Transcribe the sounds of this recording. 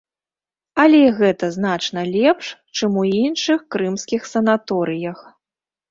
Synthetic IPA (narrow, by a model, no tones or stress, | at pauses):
ɐlʲɛiɣɛt̪ɐznat͡ʂnɐlʲɛpʂt͡ʂɨmuinʂɨxkɾɨmsʲkʲixsɐnat̪ɔɾɨjɐx